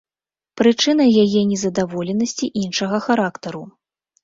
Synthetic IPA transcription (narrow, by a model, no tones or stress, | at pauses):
pɾɨt͡ʂɨnɐjajɛnʲɛzɐd̪avɔlʲɛnɐsʲt͡sʲiʔinʂɐɣɐxaɾakt̪ɐɾu